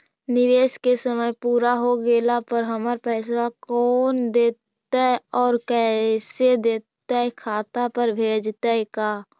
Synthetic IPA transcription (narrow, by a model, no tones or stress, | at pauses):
nɪʋeːskesəməjpuːɾaɦoɡeːlapəɾɦəməɾpɛːswakɔːnd̪eːt̪ | aɛɔːɾkɛsed̪eːt̪ːaɦɛkʰaːt̪apəɾbʱeːd͡ʒt̪aɦɛkaː